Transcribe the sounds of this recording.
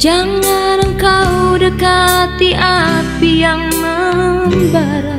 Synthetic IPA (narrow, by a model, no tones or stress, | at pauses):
d͡ʒaŋanəŋkaudəkat̪iʔapijaŋnamba | ɾa